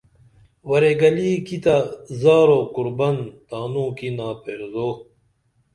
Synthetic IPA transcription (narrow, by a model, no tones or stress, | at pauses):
wɐɾeɡɐliːkit̪azaːɾokuɾbɐnt̪aːnũːkinaːpeːɾzoː